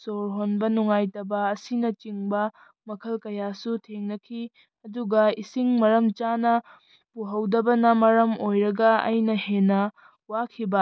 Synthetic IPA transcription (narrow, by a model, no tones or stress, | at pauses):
soɾɦonbɐnuŋajtɐbɐːsinɐt͡ʃiŋbɐ | mɐkʰɐlkɐjasutʰeŋnɐkʰi | ɐduɡɐisiŋmɐɾɐmt͡ʃanɐ | puɦɐwdɐbɐnɐmɐɾɐmojɾɐɡɐɐ̰jnɐhenːɐ | wakʰibɐ